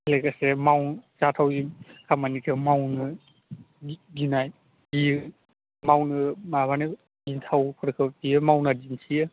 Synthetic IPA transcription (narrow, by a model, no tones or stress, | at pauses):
lekasemawt͡ʃatʰawimkʰamanikʰɯmawnɯ | ɡinaj | bi | mawnɯmabanɯ | dintʰawpʰɯɾkʰɯpijɯmawnadinsʰijɯ